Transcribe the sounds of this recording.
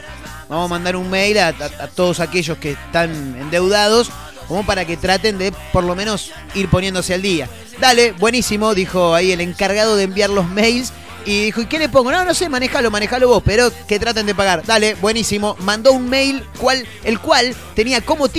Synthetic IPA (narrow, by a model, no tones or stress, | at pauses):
bamosmãnd̪aɾunmejlaat̪o̞ð̞osakeʒo̞sket̪anḛnd̪e̞wðað̞o̞s | ko̞mo̞paɾaket̪ɾat̪e̞nd̪epo̞ɾlo̞mẽno̞s | iɾpo̞nje̞nd̪oseald̪ia | d̪aleβwe̞nisimo̞ðixo̞aiele̞ŋkaɾɣaðo̞ð̞embjaɾlo̞zmejls | iðixoike̞lep̬oŋɡono̞no̞se̞manexalo̞manexaloβo̞speɾo̞ket̪ɾat̪̬e̞nd̪epaɣaɾd̪aleβwe̞nisimo̞mãnd̪ounmejlkwal | elkwalt̪eniako̞mo̞t̪